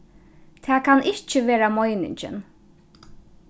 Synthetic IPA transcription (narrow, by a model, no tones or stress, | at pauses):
t̪ʰæːkʰɑnʔɪçt͡ʃːəʋeːɾamɔjnɪ̰nt͡ʃɪ̰n